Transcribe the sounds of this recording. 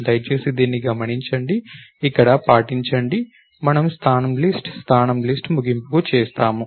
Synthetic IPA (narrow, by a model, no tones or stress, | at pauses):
d̪ɐjt͡ʃeːsid̪iːnːiɡɐmɐniɲt͡ʃɐɳɖiːkːɐɽɐpaːʈiɲt͡ʃɐɳɖi | mɐnɐmst̪ʰaːnɐmlisʈst̪ʰaːnɐmlisʈmuɡimpukut͡ʃɛːst̪aːmu